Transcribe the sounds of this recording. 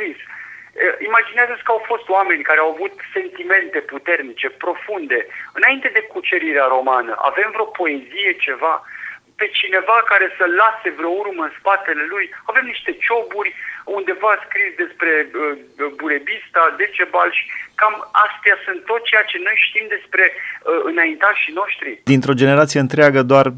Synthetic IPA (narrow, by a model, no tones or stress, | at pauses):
ɾisəimad͡ʒineazətsʲkəawfo̞st̪owame̞nʲkaɾeawavut̪se̞nt̪ime̞nt̪e̞put̪e̞rnit͡ʃe̞pɾo̞fund̪e̞ɨnaint̪e̞d̪e̞kut͡ʃe̞ɾiɾeaɾo̞manə̰ʔa̰ve̞mvɾeo̞po̞e̞zije̞t͡ʃe̞va | pe̞t͡ʃine̞vakaɾe̞səlase̞vɾeourməɨnspat̪e̞le̞lujave̞mniʃt̪e̞t͡ʃo̞burʲund̪e̞vaskɾisd̪e̞spɾe̞əbuɾe̞bist̪ad̪e̞t͡ʃe̞balʃi̥kamast̪easɨnt̪̚t̪ːo̞t̪t͡ʃejat͡ʃe̞no̞jʃt̪imd̪e̞spɾe̞əɨnaint̪aʃino̞ʃt̪ɾid̪int̪ɾo̞d͡ʒe̞ne̞ɾat̪sije̞ɨnt̪ɾeaɡəd̪oar